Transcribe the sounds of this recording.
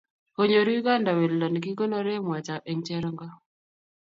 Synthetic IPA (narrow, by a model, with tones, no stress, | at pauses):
ko˦ɲo˨ɾu˦ɡa˦nda˨we˨llɔ˨n˨ki˦ɡo˦nɔ˦ɾe˦mwa˨t͡ʃa˨ʔe˨ŋt͡ʃɛ˦ɾɔ˦ŋɡa˦